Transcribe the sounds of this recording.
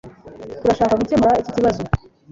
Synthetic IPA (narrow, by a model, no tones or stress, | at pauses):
tuɾaʃaːkaɡutemaɾaicociβazo